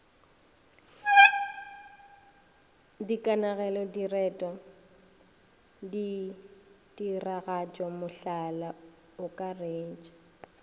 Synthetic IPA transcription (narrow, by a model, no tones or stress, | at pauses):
dikʼanaɣɛlɔdirɛtʼɔ | di | diraɣat͡ʃʼɔmʊɬala | ʊkʼareːt͡ʃʼḁ